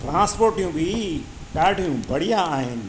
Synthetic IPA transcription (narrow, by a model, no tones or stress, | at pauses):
ʈɾãːspoːɾʈijũbʱi | ɗaːɖʱijũbʱɐɽijãaːɦɪnɪ̆